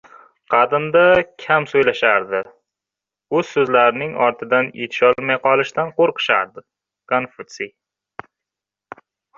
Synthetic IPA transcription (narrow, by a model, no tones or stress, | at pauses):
qʰɑd̪ɪmd̪akʲʰamsojlaʃaɾd̪ɪ | ɵz̥sɵzlaɾɪnɪŋɒɾt̪ʰɪd̪anjet̪ʰɪ̥ʃɒlˠmajqɒlˠɪʃt̪anqoɾqɨ̥ʃa̰ɾd̪ɪ | kanfʊt̪si